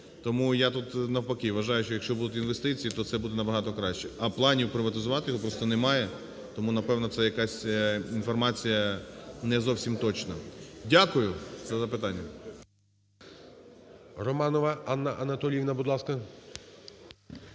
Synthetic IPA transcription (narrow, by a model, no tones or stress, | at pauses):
t̪ɔmujat̪ut̪nɐwpɐkiʋːɐʒɑjʊʃt͡ʃɔjɐkʃt͡ʃɔbud̪ʊt̪ʲinʋe̞st̪ɪt͡sʲijit̪ɔt̪sɛbud̪ɛnɐbɐɦɑt̪ɔkɾɑʃt͡ʃɛɐplˠɑnʲiwpɾɪʋɐt̪ɪzʊʋɑt̪ɪjɔɦɔpɾɔst̪ɔnɛmɑjɛ | t̪ɔmunɐpɛwnɔt̪sɛjɐkɑsʲinfɔrmɑt͡sʲijɐnɛzɔwsʲimt̪ɔt͡ʃnɐdʲakʊjʊzɐzɐpɪt̪ɑnʲːɐ | rɔmɑnɔʋɐɑnːɐʔɐnɐt̪ɔlʲiʋnɐbud̪lˠɑskɐ